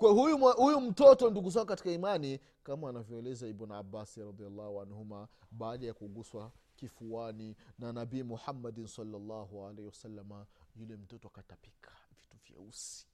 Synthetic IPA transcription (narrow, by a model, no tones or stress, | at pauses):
kwahujuahujum̩tɔtɔnduɡuz̬akɔkati̥kaimani | kamaːnavjɔɛlɛzaɛbuna̰bːasiɾɑðialːɑhuanhuma | ɓaːɗajakuɡuswa | kifuaninanabiːmuħamːadinsalːalːɑhualehiwasalːamajulɛm̩tɔtɔakatapi̥kʰḁvi̥tuvjɛ̰usi̥